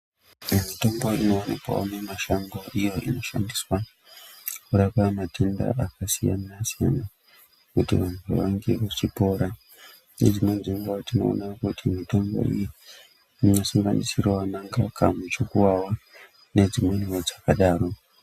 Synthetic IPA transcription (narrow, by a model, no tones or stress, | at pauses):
mito̞mbo̞ino̞ːnikwa̰onemaʃaŋɡo̞ʔijo̞ʔino̞ʃa̰ndiswa | kuɾakamatʰenda̰ʔakasijanasija̰na | kutḭʋantʰṵʋaŋɡe̞ʋat͡ʃipo̞ːɾa | ned͡zino̞d͡ziŋɡwatino̞̰o̰nakutimito̞mbo̞̰ḭji | inosuŋɡa̰nisirwanaŋɡakamut͡ʃokuwawa | ne̞d͡zimwe̞niwod͡zakaɗaːɾo̞